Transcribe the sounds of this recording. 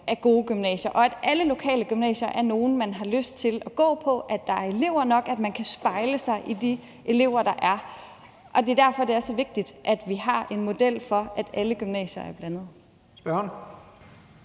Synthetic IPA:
ʔæɐɡ̥o̝ːɡ̥ymnɛ̰ːɕɐʔɒ̽æd̥ʔæləlo̝kʰɛ̰ːləɡ̥ymnɛ̰ːɕɐʔæɐno̝ːn̩mænɦɑ̈løsd̥̚t͡sʰe̝lɒɡ̥ɔ̰̽ːpʰɒ̽ʔæd̥ɑ̈æɐe̝le̝ʊ̰ɐnɒ̽ɡ̥æd̥mænkʰæsb̥ɑ̈ɪləsɑ̈ɪʔid̥i | ʔe̝le̝ʊ̰ɐd̥ɑ̈ʔæɐ | ʔɒ̽d̥e̝d̥æɐ̰fɒ̽d̥e̝ææsɒʋe̝ɡ̥̚d̥id̥ʔæd̥ʋiɦɑ̈e̝nmo̝d̥el̰fɒ̽ʔæd̥æləɡ̥ymnɛ̰ːɕɐæɐb̥lænð̞̩ˠ | sb̥ɶhn

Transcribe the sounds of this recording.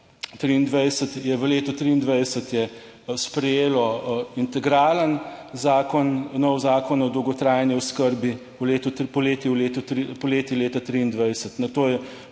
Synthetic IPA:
t̪ɾiːnd̪ʋɛjsət̪jɛʋəleːt̪ɔt̪ɾiːnd̪ʋɛjsət̪jɛ | spɾɛjeːlɔint̪ɛɡɾaːlənzaːkɔnnɔwzaːkɔnɔd̪ɔwɡɔt̪ɾaːjniɔskəɾbi | let̪upɔleːt̪iwleːt̪ut̪ɾipɔleːt̪ileːt̪at̪ɾiːnd̪ʋɛjsət̪nɐt̪oːjɛ

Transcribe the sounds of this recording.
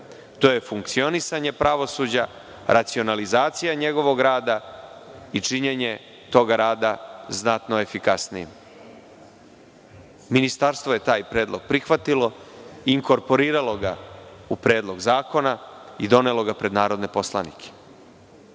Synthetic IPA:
t̪o̞je̞fuŋkt̪sio̞nisaɲe̞pɾaʋo̞sud͡ʑa | ɾʔat̪sio̞nalizaːt̪sijaɲe̞ɡo̞ʋo̞ɡɾaːd̪a | it͡ʂiɲeɲe̞ | t̪o̞ːɡaɾaːd̪aznat̪no̞e̞fikasnijim | minist̪aɾst̪ʋo̞je̞t̪aːjpɾe̞ːd̪lˠo̞ɡ̥̚pɾixʋat̪iloiːŋko̞ɾpo̞ɾiːɾalo̞ɡa̰upɾeːd̪lˠo̞ɡzaːko̞naid̪o̞nelo̞ɡapɾed̪naːɾo̞d̪ne̞po̞sla̰nikʰe̥

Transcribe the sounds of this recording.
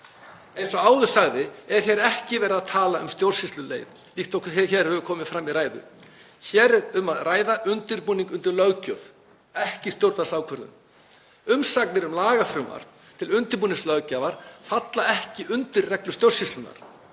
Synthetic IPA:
ejnsɔaːwðʏsaɣðɪɛɾ̥θjɛɾɛhcɪvɛːɾɪaðt̪ʰaːlaʏmst̪jowrsist̪lʏlḛːjð | liht̪ɔkɛçɛɾ̥hœvʏkʰɔːmɪðfɾamːiðɾaːjðʏ̰ | çɛːɾɛʏmaðraːjðaʔʏnt̪ɪɾpuːniŋkʏnt̪ɪɾlœɣcœv | ɛhcɪst̪jowɾt̪asaːwkʰvœɾðʏ̰n | ʏmsaknɪɾʏmlaːɣafɾʏːma̰ɾ̥ | t̪ʰɪlʏnt̪ɪɾpuːniŋslœɥcaːvaɾ̥fat̪laɛhcɪʔʏnt̪ɪɾːɛklʏst̪jowrsist̪lʏna̰ɾ̥

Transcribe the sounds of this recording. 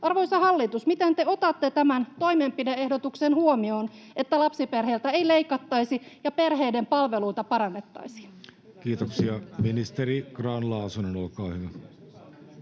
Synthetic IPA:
ɑrʋoijsɑhɑlːit̪usmit̪ent̪eot̪ɑt̪ːet̪æmænt̪oimeːmpideehdot̪uksenhuomioːn | et̪ːælɑpsiperɦeilt̪æeileikɑt̪ːɑisijɑperheidempɑlʋeluit̪ɑpɑɾɑnːet̪ːɑ̰isi̥ | kiːt̪oksiɑminist̪eriɡ̥rɑnlɑːsunonolkɑːhyʋæ

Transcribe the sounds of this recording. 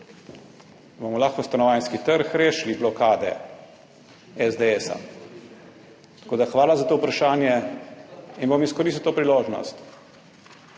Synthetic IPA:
boːmɔlaːxkɔst̪anɔʋaːjnskit̪əɾxɾeːʃliblɔkaːd̪ɛ̰ | ɛzd̪eɛsa̰ | t̪ḁkoːd̪axʋaːlazat̪oːupɾaʃaːnjɛ | inbomiskɔɾiːst̪ut̪opɾiloːʒnɔ̰st̪

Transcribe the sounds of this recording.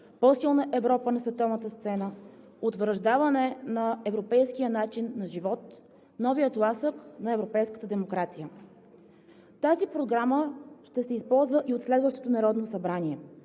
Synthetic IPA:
pɔsilˠnəʔɛvɾɔpənɐsvɛt̪ɔvnət̪əst̪sɛnə | ot̪vɾəʒd̪avənɛnɐɛvɾopɛjskijənat͡ʃinːɐʒivɔt̪ | nɔvijət̪lˠasəknɐɛvɾopɛjskət̪əd̪ɛmokɾat̪sijə | t̪azipɾoɡɾaməʃt̪ɛsɛispɔlˠzvəʔiot̪slɛd̪vəʃt̪o̥t̪onɐɾɔd̪nosɐbɾaniɛ

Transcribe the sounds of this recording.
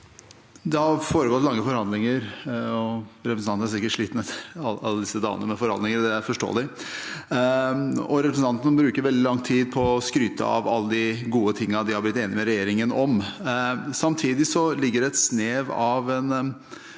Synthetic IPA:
d̪ɛhɑɾfoːɾəɡɔt̪lɑŋːəfɔɾhɑnd̪lɪŋəɾɔɾɛpɾsnɑnnæsɪkːəʈʂɭiːt̪n̩ɛt̪ʰːəɾɑlɑ̰lːəd̪ɪsːəd̪ɑ̰ːʋə̰nəmɛfɔɾhɑnd̪lɪŋəɾd̪ɛæɾfɔʂʈo̰ːlɪ | ɔɾɛpɾəsn̩ʰɑnt̪ənəbɾʉːkəɾʋɛld̪ɪlɑŋt̪ʰiːd̪̚pʰɔskɾyːt̪ʰə̰ɑ̰ʋɑ̰lːəd̪ɪɡuːət̪ʰɪŋːəd̪ɪhɑɾblɪt̪ːeːnɪmɛɾɛjeːɾɪŋənɔm | sɑmt̪ʰiːd̪ɪsɔlɪɡːəɖɛɛt̪sneːʋɑʋɛn

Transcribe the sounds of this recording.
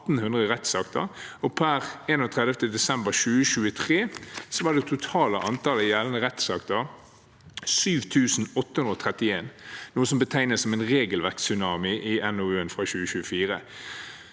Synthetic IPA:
t̪n̩hʉnd̪ʁəʁɛt̪sɑːkt̪ʰə̰ʁɔpʰæʁeːnoːt̪ʰʁɛd̪ʋt̪əd̪ɛsɛmbəʁɕʉːəɕʉːət̪ʰʁeːsɔʋɑːd̪ɛt̪ʰʊt̪ʰɑːləʔɑnt̪ʰɑləjæːlənəʁɛt̪sɑkt̪əʁ | syːʋt̪ʰʉːsn̩ɔt̪ːəhʉnʁɔːt̪ʰʁɛt̪ɪeːnnuːəsɔmbət̪ʰæɪnəsɔmeɪnʁeːɡəlʋæʁk̪sʏnɑːmɪʔɪɛnʊʉːənfʁɑçʉːəɕʉːəfiːʁə

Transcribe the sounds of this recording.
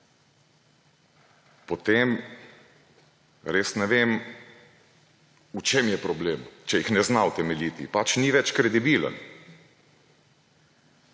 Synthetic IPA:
pɔt̪em | ɾeːsnɛʋem | ut͡ʃemjɛpɾɔbleːmt͡ʃɛjixnɛznawt̪ɛmɛlit̪ḭpat͡ʃniʋɛt͡ʃkɾɛd̪ibilə̰n

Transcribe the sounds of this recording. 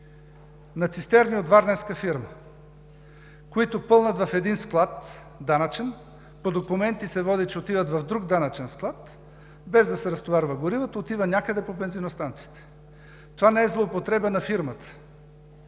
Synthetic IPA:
nɐt̪sist̪ɛɾniot̪vaɾnɛɾskəfiɾmə | koit̪ʊpɤlˠnət̪vɐfɛd̪insklˠat̪ | d̪anət͡ʃɛn | pod̪okʊmɛnt̪isɛvɔd̪it͡ʃɛot̪ivət̪vɐfd̪ɾuɡd̪anət͡ʃɛnsklˠat̪ | bɛzd̪ɐsɛɾɐst̪ovaɾvəɡʊɾivət̪əot̪ivənʲjakəd̪ɛpobɛnzinost̪ant̪si̥t̪ɛ̥ | t̪ovanɛɛzlˠoːpot̪ɾɛbənɐfiɾmət̪ə̥

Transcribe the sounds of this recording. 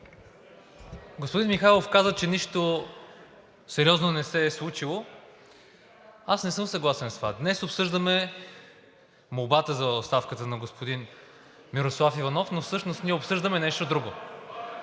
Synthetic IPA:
ɡospʊd̪inmixajlˠofkazət͡ʃɛniʃt̪o | sɛɾʲiɔznonɛsɛslˠut͡ʃilˠo | asnɛsɤmsɐɡlˠasɛnst̪ovad̪nɛsopsɤʒd̪əmɛ | mobat̪əzɐot̪st̪afkət̪ənɐɡospod̪in | miɾoslˠafivɐnɔfnofsɤʃnost̪niɛopsɤʒd̪əmɛnɛʃt̪od̪ɾuɡo

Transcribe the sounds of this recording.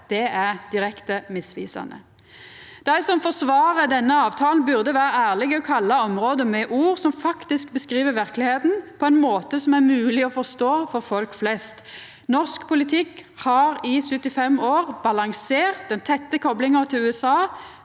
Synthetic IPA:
d̪̥ɛæʁd̪̥ɪɾɛkt̪əmɪsʋḭːsɑ̰nə̰ | d̪̥æɪsɔmfɔʁsʋɑːʁəd̪ɛnːəɑːʋt̪ʰɑːlnbʉʁd̪əʋæːɾəæːʁlɪɡəɔkʰɑlːɑɔmʁoːd̪əmɛʔuːʁsɔmfɑkt̪ɪsk̚bəskʁiːʋəʋæʁklɪheːt̪n̩pʰɔɛnmoːt̪əsɔmæʁmʉːlɪɔfɔʁst̪oːfɔɾfɔlkflɛst̪ | nɔʁskpʰʊlɪt̪ʰɪkːhɑʁɪsʉt̪ːɪfɛmoːʁbɑlɑŋseːʁt̪̚d̪ɛnt̪ʰɛt̪ːəkʰɔblɪŋəʁt̪ʰɪlʉːɛsɑː

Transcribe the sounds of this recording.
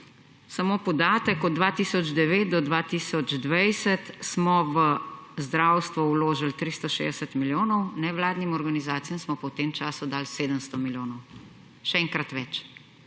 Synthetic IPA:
samopɔd̪aːt̪əkɔd̪d̪ːʋat̪iːsɔd͡ʒd̪ɛʋeːt̪̚d̪ɔd̪ʋat̪iːsɔd͡ʒd̪ʋajsət̪smɔʋə | zd̪ɾawst̪ʋɔwloːʒalt̪ɾist̪ɔʃḛd̪ɛsət̪miljoːnɔwnɛʋlaːd̪nimɔɾɡanizaːt̪sijamsmɔpɔwt̪eːmt͡ʃaːsud̪aːlseːd̪əmst̪ɔmiljoːnɔw | ʃɛɛŋkɾat̪ʋɛt͡ʃ

